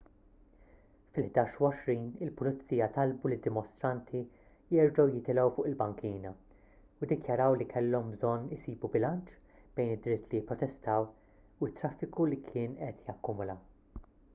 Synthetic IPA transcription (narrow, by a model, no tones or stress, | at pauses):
fɪlħd̪ɐːʃuwɔʃɾiːnɪlpʊlɪt͡sːiːjɐt̪ɐlbulɪd̪ːɪmɔst̪ɾɐnt̪ʰi | jɛɾd͡ʒɐwjɪt̪ɪlɛwfʊːʔɪlbɐŋkiːnɐ | ʊd̪ɪkjɐɾɐwlikʰɛlːɔmbzɔnːɪsiːbubɪlɐnt͡ʃ | b̥ɛjnɪd̪ːɾɪt̪ːlijɪpːɾɔt̪ɛst̪ɐw | ʊɪt̪ːɾɐfːɪkulikʰɪːnʔɛt̪jɐkːʊmʊlɐ